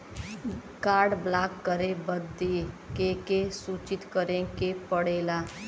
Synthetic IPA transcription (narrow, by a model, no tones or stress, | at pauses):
kaːɾɖblaːkːəɾebəd̪ikekesuːt͡ʃɪt̪kəɾẽkepəɽeːlaː